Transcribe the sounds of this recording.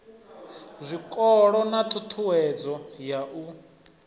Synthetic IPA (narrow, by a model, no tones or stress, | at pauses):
zʷikʼɔɺɔnat̪ʰʼut̪ʰuwɛd͡zɔjaʔu